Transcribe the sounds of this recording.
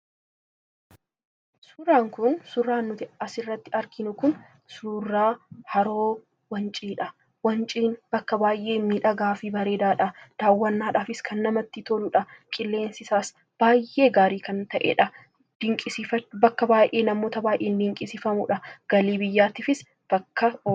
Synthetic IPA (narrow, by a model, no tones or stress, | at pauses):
sʊraːŋkʊnsʊrːaːnːʊt̪ɪɐsɪrːɐt̪ːɪɐɾkɪnʊkʊn | suːrːaːhɐɾoː | wɐnt͡ʃʼiːᶑɐ | wɐnt͡ʃʼiːnbɐkːɐbaːjʔe̞ːmiːᶑɐɡaːfiːbɐɾe̞ːd̪aːᶑɐd̪̥aːwːɐnːaːᶑaːfɪskʰɐnːɐmɐt̪ːɪt̪olʊᶑɐkʼɪlːe̞ːnsɪsaːs | b̥aːjʔe̞ːɡaːɾiːkɐnt̪ɐʔɛ̰ᶑɐ | d̥ɪŋkʼɪsɪɐbɐkːɐbaːjʔe̞ːnɐmo̞ːt̪ɐbaːjʔeːnd̪ɪŋkʼɪsɪfɐmʊ̰ᶑɐɡ̥ɐliːbɪjːaːt̪iːfɪs | b̥ɐkːɐ